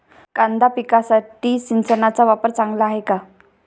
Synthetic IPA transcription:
kand̪apikasaʈisinsənat͡saʋapəɾt͡saŋɡlaɦeka

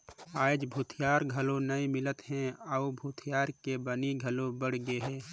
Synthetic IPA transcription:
aːd͡ʒbʱuːt̪ʰɪjaːɾɡʱɐlõnɐimɪlət̪ɦɛ̃əubʱuːt̪ʰɪjaːɾkebɐniɡʱɐlõbəɽ̤ɡeɦɛ̃ː

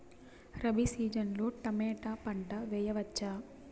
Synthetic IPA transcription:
ɾɐbisiːd͡ʒɐnlo̞ːʈɐmɛːʈaːpɐɳɖɐʋɛːjɐʋɐt͡ʃːaː

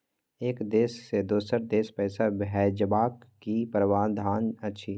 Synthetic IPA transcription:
eːkd̪eːsːed̪oːsəɾd̪eːspɛːsabɦɛːd͡ʒəbaːkːipəɾwaːd̪ʱaːnɐtːʃʰi

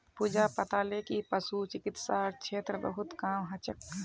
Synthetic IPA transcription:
puːd͡ʒapət̪aːlekipəsut͡ʃɪkɪt̪saːɾt͡ʃʰeːt̪ɾəbə̰ɦʊt̪kaːmɦɐt͡ʃək̚ɛ

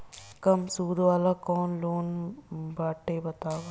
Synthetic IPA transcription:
kɐmsuːd̪ʋalɐkoːnloːnbaʈːeːbɐt̪aːɡɐ

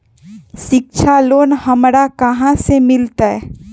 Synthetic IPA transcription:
ʃɪk̚t͡ʃʰaloːnhɐmɾakɐɦãsemɪlt̪aɦɛ

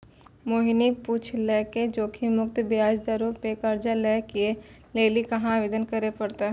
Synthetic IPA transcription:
moːɦiniput͡ʃʰlɛːked͡ʒoːkʰimʊkt̪baːd͡ʒd̪aɾupekəɾd͡ʒalɛːkie | leːlikɐɦãʋeːd̪ənkəɾepəɽt̪aː

